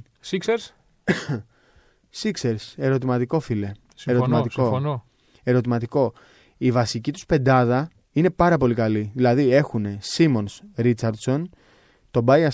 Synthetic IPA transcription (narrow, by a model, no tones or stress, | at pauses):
sikseɾs | sikse̞ɾise̞ɾo̞t̪imɐt̪iko̞file̞ | seɾot̪imɐt̪iko | e̞ɾo̞t̪̬imɐt̪iko̞ | ivɐsicit̪u̥spe̞nd̪ɐðɐ | ine̞pɐɾɐpo̞likɐliðilɐðie̞xune̞simo̞nsɾit͡sɐɾd̪so̞n | t̪o̞bɐjɐ